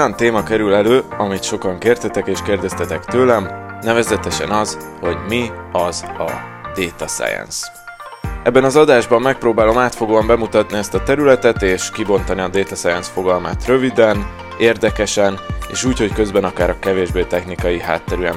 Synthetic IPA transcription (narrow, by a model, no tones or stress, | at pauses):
jɒnt̪eːmɒkɛɾylɛløːɒmit̪ʃo̞kɒŋkeːrt̪ɛt̪ɛkeːʃkeːrd̪ɛst̪ɛt̪ɛkt̪øːlɛmnɛvɛzɛt̪ɛʃɛ̰nɒz | ho̞ɟmi | ɒzɒ̰ | d̪̥eːt̪ɒsa̰jɛ̰ns | ɛbːɛnɒzɒd̪aːʒbɒmːɛk̚proːbaːlo̞maːt̪fo̞ɡoːɒmbɛmut̪ɒt̪niɛst̪ɒt̪ɛɾylɛt̪ɛt̪eːʃkibo̞nt̪ɒniɒd̪eːt̪ɒsɛjɛnsfo̞ɡɒlmaːt̪rø̞vid̪ɛn | eːrd̪ɛkɛʃɛnḛːʃuːcho̞ckø̞zbɛnɒkaːɾɒkɛveːʒbeːt̪ɛxnikɒjiɦa̰ːt̪ːɛɾyɛm